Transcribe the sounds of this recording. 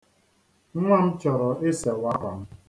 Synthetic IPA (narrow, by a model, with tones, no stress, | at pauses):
ŋʷa˦m̩˦t͡ʃɔ˨ɾɔ˨ʔɪ˦se˨wa˦ka˨m̩˦